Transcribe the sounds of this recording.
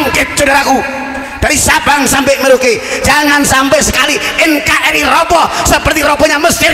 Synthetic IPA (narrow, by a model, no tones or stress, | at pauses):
ŋkɪt̪̚d͡ʒədaɾaku | d̥aɾisabaŋsampɛməɾoked͡ʒaŋansampɛsəkaliʔɛŋkaʔɛɾirɔbɔsəpərt̪iɾɔbɔɲaməst̪ɪ